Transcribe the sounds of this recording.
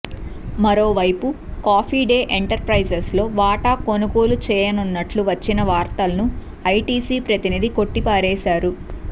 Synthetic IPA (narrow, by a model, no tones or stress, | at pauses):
mɐɾo̞ːʋɐjpukaːpʰiːɖe̞ːʔeɳʈɐɾpɾɐjsɐslo̞ːʋaːʈaːko̞nuɡo̞ːlut͡ʃɛːjɐnunːɐʈluʋɐt͡ʃːinɐʋaːɾt̪ɐlɐnu | ɐjʈiːsiːpɾɐt̪inid̪iko̞ʈːipaːɾɛːʃaːɾu